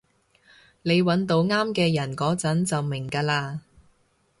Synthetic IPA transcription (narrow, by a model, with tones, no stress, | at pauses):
ne˨˧jwɐ˨˥nt̪o˧wŋaː˥mkɛː˧jɐ˨˩nkɔː˨˥t͡sɐ˨˥nt͡sɐ˨wmɪ˨˩ŋkaː˧laː˧